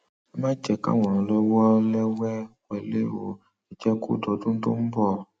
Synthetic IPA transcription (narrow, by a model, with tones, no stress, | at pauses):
ɛ˦mã˦n˦d͡ʒɛ˨ka̰˦˨w̃ɔ̃˨ɾ̃ɔ̃˨lɔ˦wɔ˦lɛ˦wɛ˦wɛ˧le˦wo˨ | ɛ˨d͡ʒɛ˦kṵ˦˨dɔ˧dũ˦n̩˦do̰˦m̩˦bɔ˦˨